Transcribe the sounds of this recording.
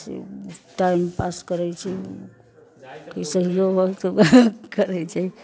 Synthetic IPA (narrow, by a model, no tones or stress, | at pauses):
sḛʈaimpaskəɾɛt͡ʃʰi | kisəɦijoɦot̪okəɾɛt͡ʃʰɛ